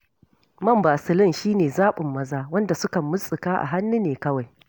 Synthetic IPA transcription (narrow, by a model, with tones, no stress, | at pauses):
mɐ˦mbaː˨sɪ˨lɪ˦nʃiː˦neː˨zaː˦ɓʊ˨mːɐ˦zaː˦wɐ˦nda˨sʊ˦kɐ˨mːʊ˦sʼɪ˨kaː˦ʔa̰˨ɦa˦nːu˦neː˨kɐ˦wa˨j